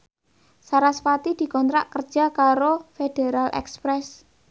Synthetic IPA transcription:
saɾaspat̪id̪̥i̤kɔnt̪ɾa̰ʔkər̥d͡ʒ̥a̤kaɾofed̥eɾalʔɛ̰kspɾɛs

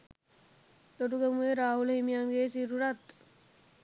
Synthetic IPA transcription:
t̪oʈuɡəmueɾaːɦulɦimijaŋɡeːsiɾuɾat̪

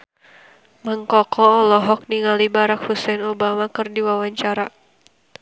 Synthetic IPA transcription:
məŋkɔkʰɔːlɔɦɔk̚niŋalibaɾakhusɛnobamakərdiwawaɲt͡ʃaɾa

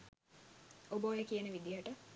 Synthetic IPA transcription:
oboːjəkijənəʋid̪iɦəʈə

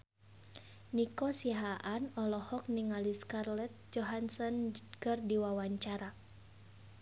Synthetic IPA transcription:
nikɔsiaɦaʔanɔlɔhɔk̚niŋaliskarlɛt̪̚d͡ʒɔɦansɔnkərdiwawaɲt͡ʃaɾa

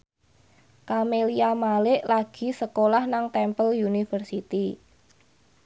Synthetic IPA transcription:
kameliamalɪʔlaɡ̥i̤səkolahnaŋt̪ɛmpəljunifərsit̪i

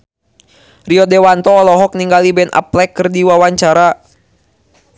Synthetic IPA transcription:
riɔdɛwant̪ɔːlɔɦɔk̚niŋɡalibɛnʔa̰plɛkːɨrdiwawaɲt͡ʃaɾa

